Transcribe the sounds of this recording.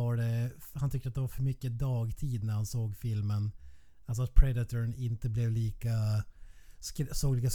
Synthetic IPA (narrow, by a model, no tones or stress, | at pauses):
aɖɛhant̪ʰʏk̚t̪at̪d̪ɛvaɾfœɾmʏkːəd̪ɑːɡt̪ʰiːd̪næɾhansoːɡfɪlmən | alsɔat̪̚pʰɾɛd̪ɪt̪ʰəɾnɪnt̪əblɛvliːka | skɾsoːɡliːkas